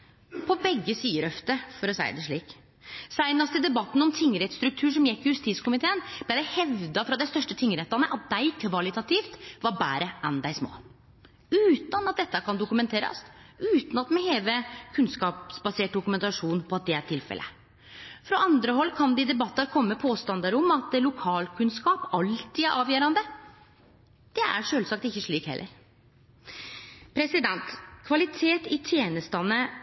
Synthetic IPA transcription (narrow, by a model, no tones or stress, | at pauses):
pʰɔbɛɡːəsyːəɾœft̪əfɔɾɔsæ̰ɪd̪əʂɭiːk | sæɪnɑst̪əd̪ɛbɑt̪ːn̩ɔmt̪ʰɪŋːəɾɛt̪st̪ɾʉk̚t̪ʰʉːʂɔmjɛkːɪjʉst̪iːt̪skʊmɪt̪ʰeːənb̥læɪd̪æɪhɛʋd̪ɑfɾɑd̪æɪst̪œʂʈət̪ʰɪŋːɾɛt̪ːɑnəʔɑt̪̚d̪æɪkʰʋɑlɪt̪ɑt̪ʰiːft̪ʋɑɾbæ̰ːɾəʔɛnd̪æɪsmo̰ː | ʉːt̪ɑnɑt̪̚d̪ɛt̪ːɑkʰɑnd̪ʊkʉmɛnt̪ʰeːɾɑ̰sʉːt̪nɑt̪mɛheːʋəkʰʉnskɑːpsbɑseːʈ̚d̪ʊkʉmɛnt̪ɑʂuːnpʰɔɑt̪̚d̪ɛæʈʰɪlfɛ̰lʔə̰ | fɾɔʔɑnd̪ɾəɦɔlːkʰɑnd̪ɛɪd̪ɛbɑt̪ːɑɾkʰɔmːəpʰoːst̪ɑnd̪ɑɾʊmːɑt̪lʊkʰɑːlkʰʉnskɑːpɑlt̪iːæɾʔɑːʋjøːɾɑnd̪ə | d̪̥ɛʔæ̰ɾʂøːlsɑk̚t̪ɪçːəʂɭiːkhɛ̰lːə̰ɾ | pʰɾɛsɪd̪ɛnt̪kʰʋɑlɪt̪ʰeːt̪ɪt̪ʰjeːnəst̪ɑnə